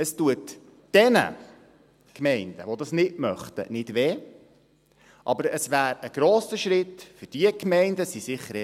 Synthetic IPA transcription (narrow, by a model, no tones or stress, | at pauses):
əstuətː | ɛnə̰ | kmɛɪndə̰ʋod̪ɑsnɪtmœχt̪ə̰nɪd̥ʋeː | ʔɑ̰bəɾəsʋæːɾəɡ̥ɾoːsəʃɾɪtfʏd̥iəkmɛɪndəsisɪχːəɾɛ